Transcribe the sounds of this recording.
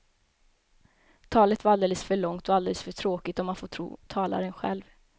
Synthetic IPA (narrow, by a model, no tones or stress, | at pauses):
t̪ʰɑːlət̪vaɾald̪eːləsfœɭɔŋt̪ɔald̪eːləsfœʈʰɾoːkɪt̪ɔmːanfot̪ʰɾṵːt̪ʰɑːla̰ɾənɧɛ̰lv